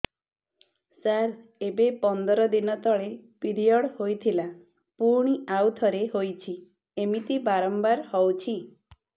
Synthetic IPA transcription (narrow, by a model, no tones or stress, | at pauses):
saɾebepɔnd̪ɔɾɔd̪inɔt̪ɔɭepiɾijɔɽhojt̪ʰila | puɾɳ̃iawt̪ʰɔɾeɦojt͡ʃʰi | emit̪ibaɾɔmbaɾhɔwt͡ʃʰi